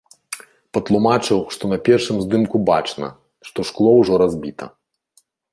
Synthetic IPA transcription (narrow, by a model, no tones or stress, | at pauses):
pɐt̪lˠumat͡ʂɨwʂt̪ɔnɐpʲɛrʂɨmzd̪ɨmkuba̰t͡ʂnɐ̰ | ʂt̪ɔʂklˠɔwʐɔɾazʲbʲit̪ɐ̰